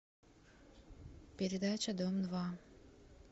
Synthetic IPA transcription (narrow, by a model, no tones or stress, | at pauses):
pʲɪɾʲɪd̪at͡ɕɐd̪omd̪va